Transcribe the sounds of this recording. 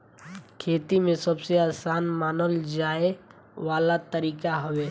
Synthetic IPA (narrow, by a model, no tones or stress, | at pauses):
kʰeːt̪imẽsɐbseaːsaːnmaːnəld͡ʒaːe | ʋaːlat̪əɾiːkaɦʊweː